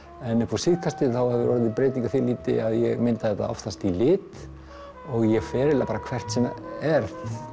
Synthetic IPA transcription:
ɛnːʏpɔ̥sɪðkʰast̪ɪθawhɛvɪɾɔɾðɪpɾeːjt̪iŋkḁθiliːt̪ɪ̰aðjɛɣmɪnt̪aθɛht̪ːa̰ɔ̰ft̪ast̪ilɪːt̪ | ɔɣjɛɣfɛːɾɪlapaːɾakʰvɛr̥t̪sɛmɛɾð

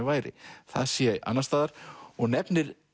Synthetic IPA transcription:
vaːjɾɪ̰θaðsjɛʔa̰nːast̪aːðaɾ̥ɔɣnɛpnɪɾ

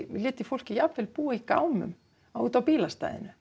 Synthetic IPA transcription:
liɛt̪ːifol̥kijɑpʋelpuːeika̰wmʏ̰m | awt̪opiːlɑst̪ɑ̰ḛnø

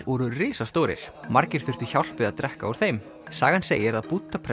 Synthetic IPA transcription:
ɾɔɾʏrɪːsast̪oːwɾɪ̰ɾ̥maɾcɪɾ̥θʏr̥θʏçawl̥pɪðat̪ɾɛhkaɔwɾ̥θejm | saːɣansḛːjɪɾaðput̪ːapʰɾɛ

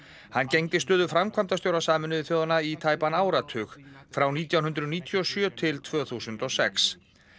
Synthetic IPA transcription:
hanːcejŋt̪ɪst̪œːðʏfɾamkʰvamt̪asjowɾasaːmʏnʏðɪθjɔːwðanait̪ʰaːjpanaːwɾat̪ʰʏxfɾawniːt̪jawnɦʏnt̪ɾʏniːt̪ʰjɔsjœːt̪ʰɪlt̪ʰvœːθuːsʏnt̪ɔsɛ̰ks

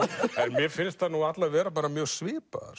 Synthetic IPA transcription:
ɛnmjɛfɪnst̪θanuat̪lavɛːɾap̬aːɾamjœ̥svɪːpa̰ɾ̥

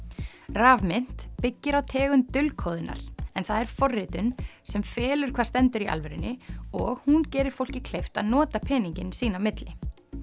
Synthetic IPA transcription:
raːvmɪn̥t̪pɪcːɪɾawt̪ʰɛːɣʏmt̪ʏlkʰoːwðʏnːa̰ɾ̥ɛnθaðɛɾ̥fɔrːɪt̪ʏnsɛmfɛːlʏɾ̥kʰvaːst̪ɛnt̪ʏɾia̰lvɾɪnːɪɔɣhuncɛːɾɪɾ̥fowl̥cɪkʰlejft̪a̰ðnɔːt̪apʰɛːniɲcɪnsiːnamɪt̪lɪ

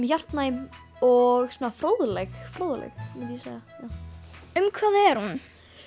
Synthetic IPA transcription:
mjar̥t̪najm | ɔɣswɔːnafɾoːwðlɛxfɾoːwðlɛ̰xmɛt̪jisaðajawʏmkʰvaːðɛɾ̥hun

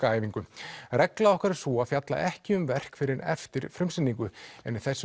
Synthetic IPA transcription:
aːjviŋkʏrɛklaɔhkaɾsɔaðfjat̪la̰ʔɛhcɪʏmvɛr̥kfɪɾɪɾɛ̰ft̪ɪɾ̥fɾʏmsɪnːiŋkʏɛ̰nɪθɛsːʏ

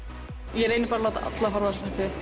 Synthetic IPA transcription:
jɛɾeːjnɪpaːɾalawt̪a̰ʔa̰t̪laɦɔɾvaslaht̪ɪ

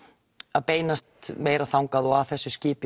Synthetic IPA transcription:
aðpeːjnast̪meːjɾaθawŋkaðɔɣaθɛsːʏscɪːpɪ

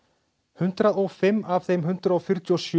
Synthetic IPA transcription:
hʏnt̪ɾaðɔɣfɪmːav̥θejmɦʏnt̪ɾaðɔfjʏɾ̥t̪jɔsj

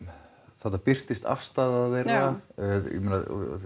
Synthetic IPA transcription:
θat̪ːapɪr̥t̪ɪst̪a̰fst̪aːðaðvɛra̰mɛna

